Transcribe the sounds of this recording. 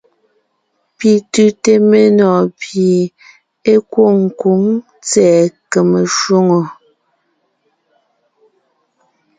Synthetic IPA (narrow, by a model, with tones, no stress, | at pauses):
pi˨tʉ˦te˦me˦nɔ˨pi˨ | e˦kwo˦˨ŋ̩˨ku˨˦ŋ | t͡sɛː˨ke˨me˨ʃwu˦ŋo˨